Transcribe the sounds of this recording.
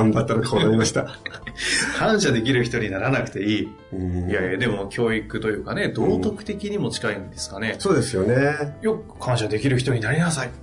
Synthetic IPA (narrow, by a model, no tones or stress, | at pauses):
ãmbat̪ːaɾakʰoːnaɾimaɕi̥t̪a | kʰãɰ̃ɕad̪e̞k̬ʲiɾɯ̟çi̥t̪o̞ɲ̟inaɾanakɯ̟̥t̪e̞iː | jad̪e̞mo̞kʲʰo̞ːikɯ̟t̪o̞jɯ̟ːkane̞d̪o̞ːt̪o̞kɯ̟̥t̪e̞kʲiɲ̟imo̞t͡ɕi̥kaĩnd̪e̞sɨ̥kane̞so̞ːd̪e̞sɨjo̞nejokʰãɰ̃ɕad̪e̞kʲiɾɯ̟çi̥t̪o̞ɲ̟inaɾʲinasai